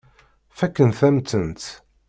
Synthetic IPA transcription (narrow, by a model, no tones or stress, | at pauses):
fækːənθæmt̪ənt̪